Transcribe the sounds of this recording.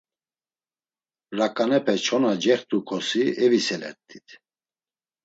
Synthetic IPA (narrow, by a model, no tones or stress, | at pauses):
rakʼanɛpʰɛt͡ʃʰɔnad͡ʒɛχt̪ʼukʰɔsiɛvisɛlɛ̰t̪ʰʼːi̥t̪ʰ